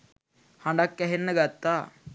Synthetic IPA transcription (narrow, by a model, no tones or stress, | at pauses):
hɐ̃ɳɖakːɛɦenːəɡɐt̪ːa